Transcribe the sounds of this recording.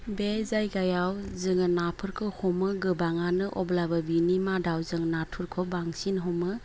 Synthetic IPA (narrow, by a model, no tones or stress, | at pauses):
bezajɡajawzɯŋɯnapʰɯɾkʰɯhɔmɯɡɯbaŋanɯʔɔblabɐbinimadawzɯŋnatʰuɾkʰɔbaŋsinɦɔmɯ